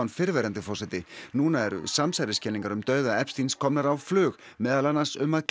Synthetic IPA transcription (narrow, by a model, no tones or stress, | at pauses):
nfɪɾvɛːɾant̪ʏfɔrsɛt̪ɪnuːnaɛɾʏ̰samsajɾɪscɛliŋkaɾʏmt̪œːɥðaɛpst̪inskʰɔmnaɾawflʏːɣ | mɛːðalanːasʏmːaðk